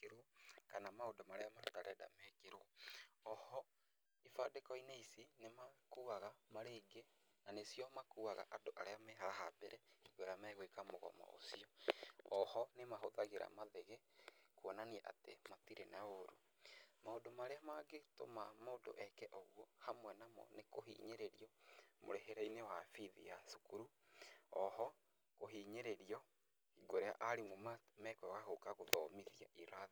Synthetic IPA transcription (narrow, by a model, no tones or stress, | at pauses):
keɾoɔkanamaodomaɾeamataɾɛda̰mɛkeɾoɔɔhɔ | ifadekɔineisinemakuaɣamaɾeɡe | nanesjɔmakuaɣa̰ʔadoʔaɾeamɛɦaɾaɦabɛɾɛiɡwɛɾamɛɣwekamoɣɔ̰ma̰ʔo̰siɔɔhɔnemaɦoðaɣeɾa̰maðeɣekwɔnaniɛʔa̰tematiɾenaoɾu | maodomaɾeamaɡeto̰mamaodo̰ʔɛkɛʔɔɣwɔhamwɛnamɔ̰nekoɦḭːɲeɾeɾiɔmo̰ɾeɦeɾainewafiðḭjasukuɾu | ɔhɔ | koɦiɲeɾeɾiɔ | iɡoɾea̰ʔaɾemwɛmamɛkɔɔɣaɣokaɣoðɔmiðia̰ʔiɾaði